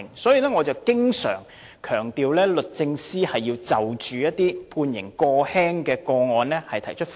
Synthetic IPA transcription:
ŋsɔː˨˥jiː˨˧lɛː˥ŋɔː˨˧t͡sɐ˨˩wkɪ˥ŋsœ̰ː˨˩ŋ | kʰœː˨˩ŋt̪iː˨wlɛː˥lɵ˨t̚t͡sɪ˧ŋsiː˥hɐ˨jːiː˧wt͡sɐ˨wt͡ʃyː˨jɐ˥t̪̚iː˥pʰuː˧njɪ̰˨˩ŋkɔː˧hɛː˥ŋkɛː˧kɔː˧ŋɔː˧nlɛː˥hɐ˨jt̪ʰɐ˨˩jt͡ʃʰɵ˥t̚

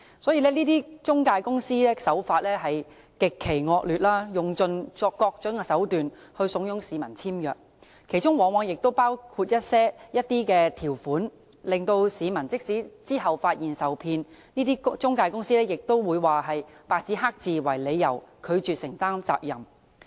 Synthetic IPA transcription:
sɔː˨˥jiː˧lɛː˥niː˥t̪iː˥t͡ʃʊ˥ŋkaː˧jkʊ˥ŋsiː˥lɛː˥sɐ˨˥wfaː˧t̚lɛː˥ɦɐ˨j | kɪ˨kʰːe˨˩jŋɔː˧k̚lyː˨t̚laː˥jʊ˨ŋt͡sɵ˧nt͡sɔː˧kːɔː˧k̚t͡ʃœ˨˥ŋkɛ˧sɐ˨˥wt̪yː˨nhɵ˧ɥsʊ˨˥ŋjʊ˨˧˥ŋsiː˨˧mɐ˨˩nt͡sʰiː˥mjœ̰ː˨k̚ | kʰe˨˩jt͡ʃʊ˥ŋwɔː˨˥ŋwɔː˧ŋjɪ˨k̚t̪o˥wpaː˥wkʰuː˧t̚jɐ˥t̚sɛː˥jɐ˥t̚t̪iː˥kɛː˧t̪ʰiː˨˩wfuː˨˥n | lɪ˨˩ŋt̪o˧wsiː˨˧mɐ˨˩nt͡sɪ˥k̚siː˨˥t͡siː˥ɦɐ˨wfaː˧t̚jiː˨˩nsɐ˨˩wpʰiː˧n | niː˥t̪iː˥t͡sʊ˥ŋkaː˧jkʊ˥ŋsiː˥lɛː˥jɪ˨k̚t̪o˥wwuː˨˧jwaː˨ɦɐ˨jpaː˨k̚t͡si˨˥ɦaː˥k̚t͡siː˨wɐ˨˩jle˨˧jːɐ˨˩wkʰɵ˨˧ɥt͡ʃyː˨t̚sɪ˨˩ŋt̪aː˥ŋt͡sa̰ː˧k̚jɐ˨˩m

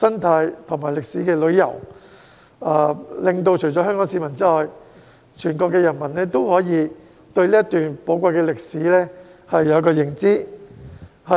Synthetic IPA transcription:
sɐ˥nt̪ʰaː˨˧jt̪ʰʊ˨˩ŋmaː˨˩jlɪ˨k̚siː˨˥kɛː˧lɵ˨˧ɥjɐ˨˩w | aː˨˧lɪ˨ŋt̪o˧wt͡ʃʰɵ˨˩jɔː˨˥ɦœː˥ŋkɔː˨˥ŋsiː˨˧mɐ˨˩nt͡siː˥lɔː˨˧j | t͡ʃʰyː˨˩nkɔː˧k̬ːɛː˧jɐ˨˩nmɐ˨˩nɛː˥t̪o˥whɔː˨˥jiː˨˧ | t̪ɵ˧ɥliː˥ɐ˥t̪yː˨npo˨˥wkʷɐ˧jkɛː˧lɪ˨k̚siː˨˥lɛː˥ | hɐ˨jːɐ˨˧wkɔː˧jɪ˨˩ŋt͡siː˥ | hɐ˨

